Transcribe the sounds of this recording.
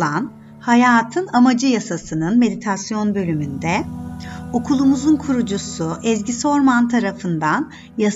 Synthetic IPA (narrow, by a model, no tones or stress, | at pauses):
an | hajaːt̪ʰɯnamad͡ʒɯjasasɯnɯnme̞d̪it̪ʰasjo̞nbø̞lʲymynd̪ɛ | okʰulˠumuzunkʰuɾud͡ʒusuʔɛzɟiso̞ɾmant̪ʰaɾafɯnd̪an | ja